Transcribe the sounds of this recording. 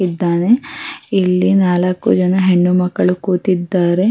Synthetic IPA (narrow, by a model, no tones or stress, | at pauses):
id̪ːaːne̞ilːinaːlɐkːṵd͡ʒɐnɐɦe̞ɳːumɐkːɐɭukuːt̪id̪ːaːɾe̞